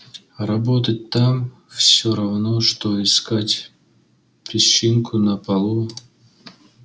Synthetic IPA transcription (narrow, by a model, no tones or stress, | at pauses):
rɐbot̪ət̚ʲt̪am | fsʲoɾɐvnoʂt̪oɪskatʲ | pʲɪɕiŋkʰʊnəpɐlˠu